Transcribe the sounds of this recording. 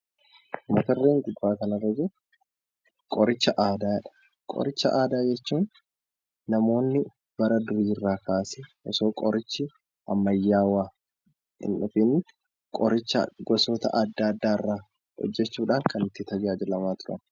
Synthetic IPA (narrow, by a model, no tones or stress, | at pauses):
mɐt̪ɐrːeːŋɡʊbːaːkɐnɐrːɐd͡ʒɪ | kʼɔɾɪt͡ʃːɐʔaːd̪aːɛᶑɐ̥ | kʼɔ̰ɾɪt͡ʃːɐ̰ʔaːd̪aːd͡ʒɛt͡ʃːuːnː | ɐmo̞ːnːɪ | b̥ɐɾɐd̪ʊɾiːrːaːkʰaːsɛʔɔ̰so̞ːkʼɔɾɪt͡ʃːɪ | ɐ̰mːɐjːaːwaː | ɪ̰nʔʊfinɪ | kʼɔ̰ɾɪt͡ʃːɐɡɔsoːt̪ɐ̰ʔɐd̪ːaːd̪ːaːɪrːaː | hɔ̰d͡ʒːɛt͡ʃːuːᶑaːŋkʰɐnɪt̪ːɪt̪ɐd͡ʒaːd͡ʒɪlɐmaːt̪ʊɾɐ̰n